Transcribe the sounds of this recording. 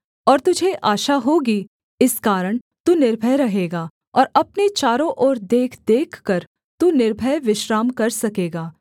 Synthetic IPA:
ɔːɾt̪ʊd͡ʒʱeʔaːʃaɦoːɡi | ɪskaːɾəɽ̃ | t̪unɪɾbʱəjɾɐɦeːɡaː | ɔːɾɐpnet͡ʃaːɾõʔɔːɾd̪eːkʰd̪eːkʰːəɾ | t̪unɪɾbʱəjʋɪʃɾaːmkɐɾsɐkeːɡaː

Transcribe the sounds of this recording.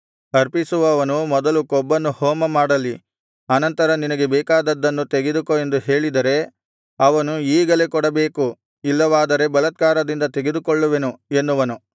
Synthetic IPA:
ɐɾpisuʋɐːʋɐnumɔd̪ɐlukɔbːɐnːuhɔːmɐmaːɽɐlːi | ɐnɐnt̪ɐɾɐninɐɡe̞bɛːkaːd̪ɐd̪ːɐnːut̪eɡed̪ukoe̞nd̪uɦe̞ːɭid̪ɐɾe̞ | ɐʋɐnuiːɡɐlekɔɽɐbe̞ːku | ilːɐʋaːd̪ɐɾe̞bɐlɐt̪̚kaːɾɐd̪ind̪ɐt̪e̞ɡe̞d̪ukɔɭːuʋe̞nue̞nːuʋɐnu

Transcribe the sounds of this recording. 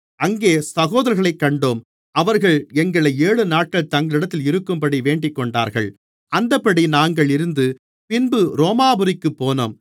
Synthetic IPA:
ɐŋɡeːsɐɣoːðɐɾɣɐɭɐɪkːɐɳɖoːm | ɐʋɐɾɣɐɭɛŋɡɐɭɐeːɭɯnaːʈ̚kɐɭt̪ɐŋɡɐɭɪɽɐt̪ːɪlɪɾɯkːɯmpɐɽiʋeːɳɖɪkːɔɳɖa̰ːɾɣɐ̰ɭ | ɐnd̪ɐpːɐɽinaːŋɡɐɭɪɾɯnd̪ɯ | pɪnbɯɾoːmaːbɯɾɪkːɯpːoːnɐ̰m

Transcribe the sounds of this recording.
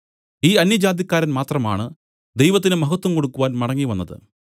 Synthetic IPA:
iːɐnjɐd͡ʑaːd̪jɐkːaːɾɐnmaːt̪rɐma̰ːɳɨ | d̪ejʋɐt̪̬ːinɨmɐɦɐt̪ːwɐmko̞ɽukːuʋaːnmɐɽɐŋːiʋɐnːɐðɨ̰

